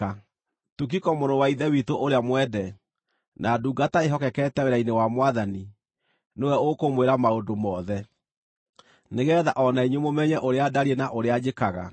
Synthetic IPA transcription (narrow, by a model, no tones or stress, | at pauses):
a | tuk̬ikɔmoɾɔwaiðɛwitoʔoɾeamwɛdɛ | nʔaduːɡataeɦɔkɛkɛtɛweɾainewamwaðani | newɛokomweɾamaodomɔːðɛ | neɣɛðaʔɔnaiɲwemomɛɲɛʔoɾeadaɾienaʔoɾead͡ʑekaɣa̰